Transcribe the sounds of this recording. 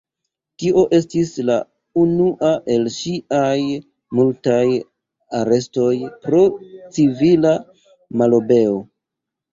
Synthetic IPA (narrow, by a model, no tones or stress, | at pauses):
tiʔo̞ʔe̞stisla | unuʔaʔe̞lʃiaj | multaj | aɾe̞sto̞jpɾo̞t͡sivila | malobe̞o